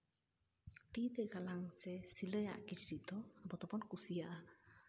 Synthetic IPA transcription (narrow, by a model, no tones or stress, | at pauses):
t̪id̪ɛɡalaŋsɛsiləja̰ʔkit͡ʃɾiʔd̪ɔabɔt̪ɔpɔnkusijaʔa